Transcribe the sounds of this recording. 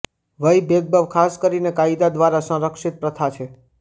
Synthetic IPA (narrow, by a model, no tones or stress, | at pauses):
ʋəjbeɡ̚bəʋkʰaskəɾinekaid̪ad̪ʋaɾasə̃ɾəkʃit̪̚pɾət̪ʰat͡ʃʰe